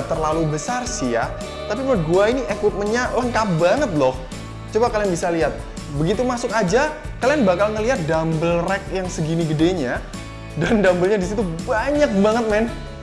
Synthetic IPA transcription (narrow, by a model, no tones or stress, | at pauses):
t̪ərlalubəsarsija̰ | t̪apipərɡuainiʔekwɪp̪̚mənɲaləŋkap̚baŋət̪̚lɔh | t͡ʃobakalianbisaliɦat̪̚ | bəɡit̪umasʊkad͡ʒa | kalianbakalŋəliɦat̪̚dambəlrɛk̚jaŋsəɡiniɡədeɲa | dandambəlɲadisit̪ubaɲak̚baŋət̪̚mɛn